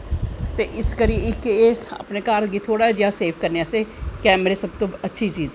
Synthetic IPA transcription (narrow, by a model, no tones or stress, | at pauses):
t̪eːʔɪskəɾiɪkeːa̰ːpneːkaːɾɡiːt̪ʰoːɽaːd͡ʒaːseːpʰkəɾneaseːkɛːməɾeːsəb̚t̪õːətːʃʰiːt͡ʃiːz